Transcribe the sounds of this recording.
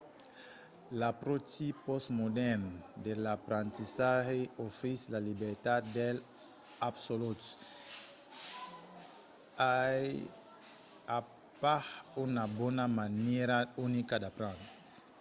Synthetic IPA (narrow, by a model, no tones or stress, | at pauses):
lapɾot͡ʃipɔsmod̪ɛɾnd̪elapɾãnt̪isaheofɾislalibeɾt̪ad̪d̪el | absolut̪u̥ | aj | a | paunabonamaneɾaunikad̪apɾãnt̪